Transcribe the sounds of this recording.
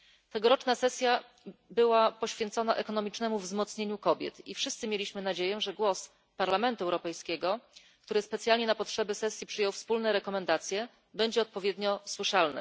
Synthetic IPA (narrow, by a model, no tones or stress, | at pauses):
t̪ɛɡɔɾɔt͡ʂnasɛsʲja | bɘwapɔɕfʲjɛnt̪sɔnaʔɛkɔnɔmʲit͡ʂnɛmuvzmɔt̪sɲeɲukɔbʲjɛ̰t̪ifʂɘst̪sɘmʲelʲiɕmɘnad͡ʑejɛʐɛɡwɔs | paɾlamɛnt̪uɛwɾɔpɛjskʲɛɡɔ | k̚t̪uɾɘspɛt̪sʲjalɲɛnapɔtʂɛbɛsɛsʲjipʂɘjɔwfspulnɛɾɛkɔmɛnd̪at̪sʲjɛ | bɛɲd͡ʑɛɔt̪̚pɔvʲjed̪ɲɔswɘʂalnɘ̰